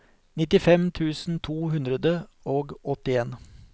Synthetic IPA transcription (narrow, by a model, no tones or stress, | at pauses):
nɪt̪ɪfɛmt̪ʰʉːsn̩t̪ʰuːhʉnd̪ɾəd̪ə | oːɡɔt̪ɪeːn